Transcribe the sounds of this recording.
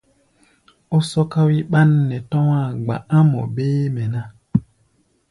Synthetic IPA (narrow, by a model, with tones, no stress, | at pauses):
o˦sɔ˦ka˦wi˦ɓa˦nː˦ɛ˨tɔ̃˦wa˦˨ɡ͡ba̰˨a˦mɔ̰˨be˦mɛ˨na˦